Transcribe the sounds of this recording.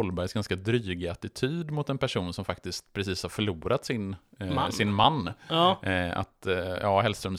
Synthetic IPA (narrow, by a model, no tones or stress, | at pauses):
ɔlːbæɾjsɡanskad̪ɾyːɡɪat̪ɪt̪ʰyːd̪mʊt̪ɛnpʰæʂuːnsɔmfak̚t̪ɪskt̪pʰɾɛsiːshaɾfœɭuːɾat̪sɪn | sɪnmanː | a̰t̪jɑːɦɛlst̪ɾœms